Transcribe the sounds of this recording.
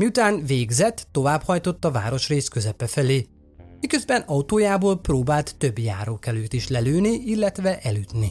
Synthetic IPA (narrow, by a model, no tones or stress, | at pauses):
miut̪aːnveːɡzɛt̪ːo̞vaːphɒjt̪o̞t̪ːɒva̰ːɾo̞ʃreːskøzɛpɛfɛleː | mikø̞zbɛnɒut̪oːjaːboːlproːbaːlt̪ːø̞bja̰ːɾokɛløːt̪iʃlɛløːniʔilːɛt̪ʋɛʔɛlyt̪ni